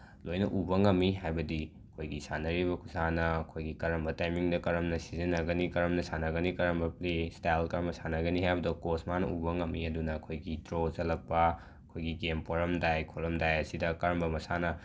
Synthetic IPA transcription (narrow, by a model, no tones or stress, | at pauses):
lojnɐ̰ʔubɐŋɐmːiɦajbɐdiɐkʰojɡisanɐɾibɐkʰusanɐːkʰojɡikɐɾɐmbɐtajmiŋdɐkɐɾɐmnɐsizɐnːɐɡɐnikɐɾɐmnɐsanɐɡɐnikɐɾɐmbɐplestajlkɐɾɐmɐsanɐɡɐniɦajbɐdokosmanɐ̰ubɐŋɐmːiɐdunɐːkʰojɡitɾozɐlɐk̚pːɐ | ɐkʰojɡiɡempoɾɐmdajkʰoɾɐmdajɐsidɐkɐɾɐmbɐmɐsanɐ